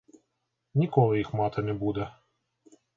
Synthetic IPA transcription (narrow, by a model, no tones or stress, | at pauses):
nʲikɔlˠɪjixmɑt̪ɐnɛbud̪ɛ